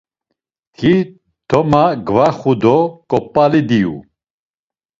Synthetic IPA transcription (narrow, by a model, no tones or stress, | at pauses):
kʰi | t̪ʰɔmaɡvaχud̪ɔkʼɔpʼːalid̪iṵ